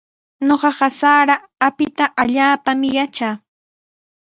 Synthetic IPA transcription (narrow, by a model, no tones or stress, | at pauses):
ɲoɢɑɢɑsaːɾaː | pɪt̪aʔaʎaːpamɪjat͡ʃaː